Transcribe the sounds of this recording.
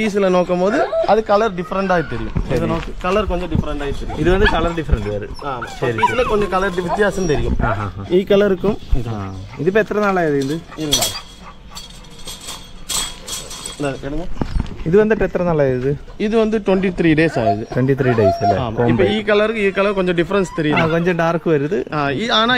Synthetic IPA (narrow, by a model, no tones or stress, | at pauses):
piːs̬ɪlɐnoːkːɐmpoːðɯɐðɯkɐlɐɾɖɪfɐɾɐɳɖaːɣit̪ːɛɾɪjɯ̰mɛðɐnoːkːɯkɐlɐɾkɔɲd͡ʒɔ̃ɖɪfɐɾɐɳɖaːjit̪ːɛɾɪjṵɪðɯʋɐnd̪ɯkɐlɐɾɖɪfɐɾɐɳʈʋɐːɾɯ̰ | aːmsɐɾiiːɪlɐkɔɲd͡ʒɐ̃kɐlɐɾʋɪt̪ːɪjaːsɐmt̪ɛɾɪjɯ̰maɦaiːkːɐlɐɾɯkːɯm | ɪðɪp̬ːɛt̪ːɪɾɐnɐlːaːɾɐðɯnd̪ɯɪɾɐnaːɐ | ɐeɽɐɲːɐiðɨʋɐnd̪ɨʈet̪ːrɐnɐɭːaːjɾɐðɨ | iðɨʋɐnd̪ɨʈweɳʈit̪ʰriːɖeːsa̰ːjɐðɨʈweɳʈit̪ʰriːɖejsilːḛaːmoːimpːiːkɐɭɐrikɐlɐrkoɲd͡ʑomɖifɐɾɐnst̪ɐɾijakoɲd͡ʑɐɳɖaːrkːɨʋɐɾuðɨaːiaːnaː